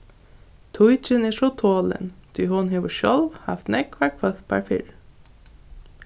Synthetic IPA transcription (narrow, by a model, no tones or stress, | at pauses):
t̪ʰʊjt͡ʃəneːʂɔt̪ʰoːlə̰nd̪̥ʰyːhʊnɦeːʋɔʃɔlʋhɑ̰ft̪nɛkʰːʋæʈ̚fœθpʰæ̰ɹfɪ̰ɹ